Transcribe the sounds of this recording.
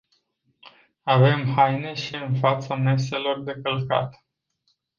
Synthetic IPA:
ave̞mɦajne̞ʃiɨnfat̪same̞s̬e̞lo̞rd̪e̞kəlka̰t̪

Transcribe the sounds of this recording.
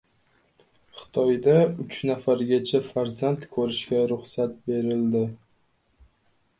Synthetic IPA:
χɨ̥t̪ʰɒjd̪aʊt͡ʃnafaɾɡʲat͡ʃʰafaɾzant̪kʰɵɾɪʃkʲaɾʊχsat̪̚be̞ɾɪld̪ɪ

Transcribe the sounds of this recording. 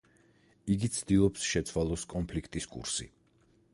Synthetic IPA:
iɡit̪sʰd̪ilˠɔpsʃɛt̪sʰwalˠɔskʼɔnpʰlikʰt̪ʼiskʼṵɾsḭ

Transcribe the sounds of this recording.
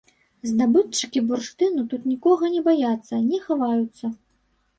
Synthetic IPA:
znabɨt͡ʂːɨkʲiburʂt̪ɨnut̪ut̪nʲikɔɣɐnʲɛbajat̪sːɐnʲɛxavajut̪sːɐ

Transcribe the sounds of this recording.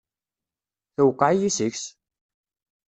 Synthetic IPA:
θəwqːaʕijisəçs

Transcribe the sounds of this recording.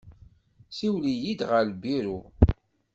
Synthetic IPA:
siwlijid̪ʁəɾbiɾu

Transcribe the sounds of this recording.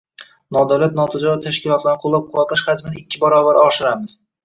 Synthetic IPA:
nɒd̪awlat̪̚nɒt̪ʰɪd͡ʒɒɾɪt̪ʰaʃkʲɪlˠɒt̪lanqʰolˠːap̚qʰɒt̪ɪʃχad͡ʒ̪mɪnɪɪkʲːɪbaɾɒbaɾɪɒʃɪɾamɪz̥

